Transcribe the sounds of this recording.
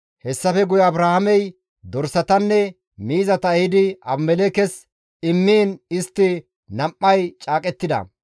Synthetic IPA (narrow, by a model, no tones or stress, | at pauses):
hɛsːɐfɛɡʊjɐɐbɾahɐmɛj | d̪ɔɾsɐt̪ɐnːɛ | miːzɐt̪ɐjɪd̪ɪɐbmɛlekɛs | ɪmːiːnɪst̪ːɪ | nɐmʔːɐjt͡ʃʼaːkʼɛt̪ːɪd̪ɐ̰